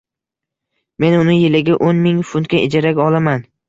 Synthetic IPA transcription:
me̞nʊnɪjɪlɪɡʲɪʔonmɪŋfʊnt̪̚kʲaʔɪd͡ʒaɾakʲɒlˠaman

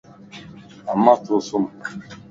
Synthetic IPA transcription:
amːatʊsʊm̩

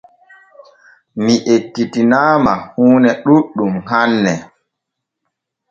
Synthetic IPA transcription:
miʔekːitinaːmahuːnɛɗuɗumhanːɛ

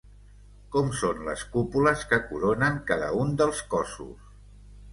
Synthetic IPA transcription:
kɔmsonlə̰skupuləskəkuɾonəŋkaðə̰und̪əlˠskɔsṵs

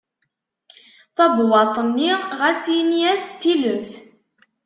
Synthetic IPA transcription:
θɑbwɑt̪ˤənːiʁæsiniæst̪ːiləmθ

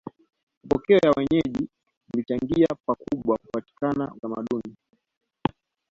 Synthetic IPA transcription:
pɔkɛɔjawɛɲɛʄi | mulit͡ʃaŋɡiapakuɓwakupati̥kanaut̪ama̰ɗuni

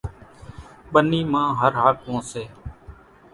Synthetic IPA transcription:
ɓəniːmãːɦəɾɦaːkʋõːseː

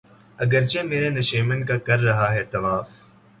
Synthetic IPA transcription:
ɐɡəɾt͡ʃemeːɾenɐʃiːmənkakɐɾːɐɦaɦɛt̪ɐʋaːf

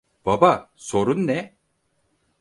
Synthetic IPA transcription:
b̥abaso̞ɾunːɛ

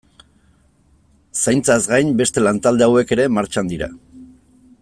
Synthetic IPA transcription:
sajnt͡sazɡajnbe̞st̪e̞lant̪ald̪e̞awe̞ke̞ɾe̞maɾt͡ʃand̪iɾa̰

